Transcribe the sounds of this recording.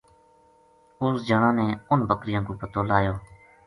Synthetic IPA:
ʊsd͡ʒəɳãːnẽːʊnbʱəkɾɪjãːkoːpət̪oːlaːjoː

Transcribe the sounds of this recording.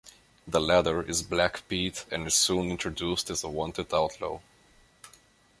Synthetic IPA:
ðəlæɾə˞ʔɪzblækpiɾɨ̃nɨz̥sũnɪ̃ntʰɹ̥ɨdustɨzəwɑ̃ntɨdaʊtʰˡlo̰ʊ

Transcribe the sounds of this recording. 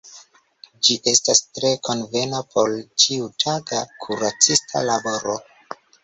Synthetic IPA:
d͡ʒiʔe̞stastɾe̞ko̞nve̞napʰo̞lt͡ʃiutʰaɡakʰuɾat͡sistʰa̰labo̞ɾo

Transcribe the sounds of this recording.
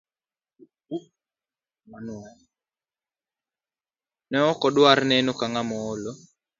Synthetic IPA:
nw | nɛɔkɔdwarnɛnokaŋamɔolo

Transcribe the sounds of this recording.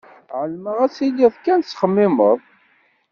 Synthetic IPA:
ʕəlməʁæsilːiðkænt͡sːχəmːɪməðˤ

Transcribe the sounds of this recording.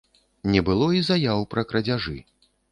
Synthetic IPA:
nʲɛbɨlˠɔizajawpɾɐkɾɐd͡zʲaʐɨ̰

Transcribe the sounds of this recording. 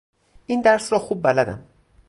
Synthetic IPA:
ʔind̪æɾsɾɒːxuːb̚ːælæd̪æ̰m

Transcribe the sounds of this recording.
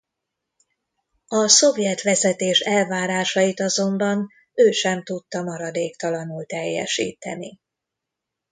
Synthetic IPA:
ɒso̞vjɛt̪ʋɛzɛt̪eːʃɛlvaːɾaːʃɒjit̪ɒzo̞mbɒn | øːʃɛmt̪ut̪ːɒmɒɾɒd̪eːkt̪ɒlɒnult̪ɛjːɛ̰ʃḭːt̪ɛ̰ni

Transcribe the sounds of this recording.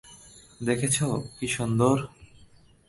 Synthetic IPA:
d̪ekʰet͡ɕʰokiʃund̪oɾ

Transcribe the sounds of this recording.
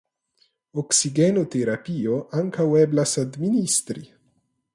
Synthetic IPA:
oksiɡɛnot̪eɾapioʔaŋkawɛblasad̪minist̪ɾi

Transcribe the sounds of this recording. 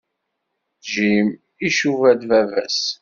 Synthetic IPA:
ʒim | iʃuvæd̪vævæ̰s

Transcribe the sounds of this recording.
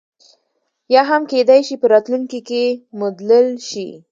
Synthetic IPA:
jɑɦamked̪ajʃipəɾɑt̪luŋkikemʊd̪ləlʃḭ

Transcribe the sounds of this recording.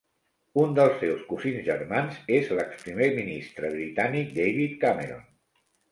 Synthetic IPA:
und̪əlˠsːewskuzinzʒəɾmanzezləkspɾimeminist̪ɾəβɾit̪anik̚d̪ejβit̪̚kameɾo̰n

